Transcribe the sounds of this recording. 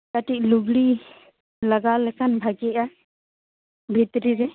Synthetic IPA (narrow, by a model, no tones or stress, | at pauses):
kaʈiʔ̚luɡɽi | laɡalɛkʰanbʱaɡɛja | bʱit̪ɾiɾɛ